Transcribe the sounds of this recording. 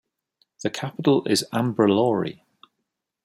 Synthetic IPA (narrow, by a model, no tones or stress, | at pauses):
ðəkʰapɪtˡəlɪ̰zãmbɹəlɔːɹḭ